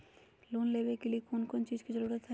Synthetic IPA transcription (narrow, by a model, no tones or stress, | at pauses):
loːnleːbekeliekʰoːnkont͡ʃiːd͡ʒkizəɾuːɾət̪ɦɛɛ